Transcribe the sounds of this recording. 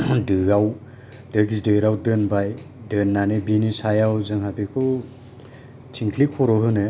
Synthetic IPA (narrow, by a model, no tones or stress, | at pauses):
dɯɡaw | d̥ɯɡizdɯɾawdɯnbaj | dɯnːanɯbinisajawzɯŋɦabikʰu | tʰiŋkʰlikʰɔɾɔɦɯnɯ